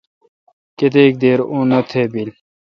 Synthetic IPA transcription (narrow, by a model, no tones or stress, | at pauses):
ket̪eːk̚d̪eːɾũːnɐt̪ʰebil